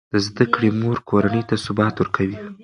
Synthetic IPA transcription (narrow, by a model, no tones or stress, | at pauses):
d̪̥əzd̪akɽemoɾkʰoɾanəjt̪asʊbɑt̪wʊɾkʰawi